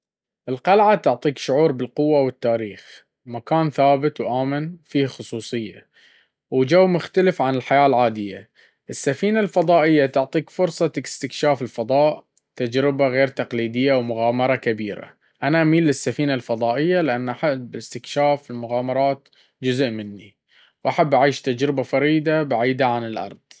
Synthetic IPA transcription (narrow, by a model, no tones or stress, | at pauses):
ʔɪlqalʕat̪ʊʕt̪ˤiːkʃʊʕuːɾbɪlqʊwːawɪt̪ːaːɾiːx | makaːnθaːbɪt̪wʔaːmɪnfiːhxʊsˤuːsˤɨjːa̰ | wd͡ʒawːmʊxt̪alɪfʕanɪlħajaːlʕaːd̪ɪjːa̰ | ʔɪsːafiːnalfɑðˤɑːʔɪjːat̪ʊʕt̪ˤiːkfʊɾsˤɑt̪akɪ̥st̪ɪkʃaːfɪlfɑðˤɑːʔ | t̪ad͡ʒɾɪbaɣeːɾt̪ɑqliːd̪ɪjːawmʊɣaːmɑɾˤɑkabiːɾa̰ | ʔanaʔamiːlːɪsːafiːnalfɑðˤɑːʔɪjːalɪʔanːʔaħabɪlɪst̪ɪkʃaːfɪlmʊɣaːmɑɾˤɑːt̪ | d͡ʒʊzʔmɪnːi | wʔaħabːʔaʕiːʃt̪ad͡ʒɾɪbafɑɾiːd̪abaʕiːd̪aʕanɪlʔɑ̰ɾˤðˤ